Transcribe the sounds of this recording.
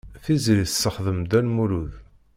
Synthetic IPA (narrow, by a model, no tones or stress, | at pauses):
θizɾiθsːəχðəmd̪ænmuɾuð